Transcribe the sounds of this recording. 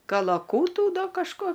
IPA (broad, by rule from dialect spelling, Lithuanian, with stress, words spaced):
kɐlˠɐˈkuːtuː ˈdɐ kɐʃˈkoː